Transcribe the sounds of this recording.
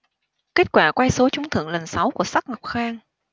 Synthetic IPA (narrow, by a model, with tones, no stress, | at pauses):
ke˦˥t̚kwaː˧˩kwa˧jso˨˦t͡ɕʊ˨˦ŋ͡mt̪ʰɨ̰˧˨əŋlə˨˩nsa˨˦wku˧˩əsa˦˥k̚ŋa˨˩wk͡p̚xaː˧ŋ